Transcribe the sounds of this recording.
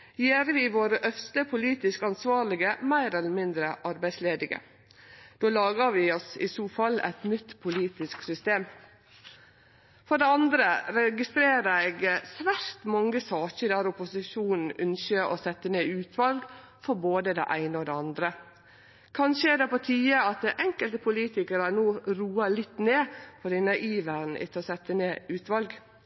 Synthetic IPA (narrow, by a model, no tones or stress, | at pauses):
jeːɾʋɪʋoːɾəʔœfst̪əpʰʊliːt̪ɪskɑnsʋɑːɾlɪɡəmæɪɾɛləɾmɪnd̪ɾəʔɑɾbæɪsleːd̪ɪɡə̰ | d̪̥oːlɑːɡɑʋɪɔsɪ̰suːfɑlːæ̰ɪt̪nʏt̪ːpʰʊliːt̪ɪsksʏst̪eːm | fɔɖɛɑnd̪ɾəɾɛɡɪst̪ɾeːɾəɛːɡsʋæɾt̪mɔŋːəsɑːçəd̪æɾʊpʊsɪʃuːnn̩ʉnçəʔɔ̰sɛt̪ːəneːʉːt̪ʰʋɑlɡ | fɔɾboːd̪əd̪ɛ̰ʔæɪnəɔd̪ɛɑnd̪ɾə | kʰɑnʃəɛd̪ɛpɔt̪ʰiːəɑt̪̚d̪ɛʔɛŋkəlt̪əpʰʊliːt̪ɪkəɾənoːɾuːɑlɪt̪ːneːpʰɔɖ̪ɪnɑʔiːʋæɾn̩ʔɪ̰t̪ʰɔsɛt̪ːəneːʉːt̪ʋɑlɡ